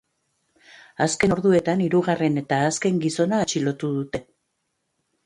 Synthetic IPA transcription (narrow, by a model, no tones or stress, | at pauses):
aske̞no̞ɾðue̞t̪aniɾuɣare̞ne̞t̪aːske̞ŋɡiso̞naːt͡ʃilo̞t̪uðut̪e̞